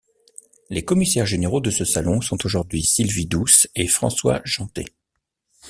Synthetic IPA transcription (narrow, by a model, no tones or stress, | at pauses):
lekɔmisɛʁʒeneʁod̪əsəsalɔ̃sɔ̃t̪oʒuʁd̪ɥisilvid̪usefχɑ̰̃swa̰ʒɑ̃t̪ḛ